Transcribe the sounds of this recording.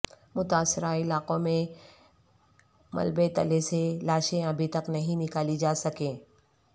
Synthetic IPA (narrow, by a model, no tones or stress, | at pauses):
mʊt̪aːsːɪɾaɪlaːqõmẽ | mɐ̰lbet̪ɐ̰leselaːʃẽɐbʱit̪ɐknɐɦĩnɪkaːlid͡ʒaːsɐkẽː